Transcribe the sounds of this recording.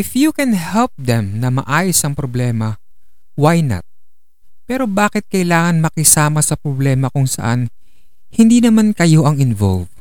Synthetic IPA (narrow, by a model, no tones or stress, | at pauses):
ʔɪfjukɛnhɛlp̚d̪ɛmnɐmɐ̰ʔaːjosʔɐŋpɾoblɛːmɐ | wajna̰t̪̚ | pɛːɾo̞baːkɪt̪̚kɐʔɪlaːŋɐnmɐkɪsaːmɐsɐpɾoblɛːmɐkʊŋsɐ̰ʔa̰n | hɪnd̪iːnɐmankɐjo̞ʔɐŋɪnvo̰lv